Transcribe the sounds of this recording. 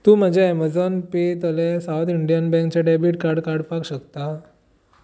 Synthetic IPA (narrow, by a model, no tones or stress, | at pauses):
t̪ũːm̤ad͡ʑʱaɛməd͡zɔnpet̪əlesawt̪iɳɖijanbɛ̃ŋk̚t͡ɕaɖɛbiʈkaɾɽkaɽpakɕəkt̪a